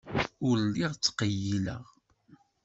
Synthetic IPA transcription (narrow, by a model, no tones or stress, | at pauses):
ʊɾlːiʁt͡sːqəjilə̰ʁ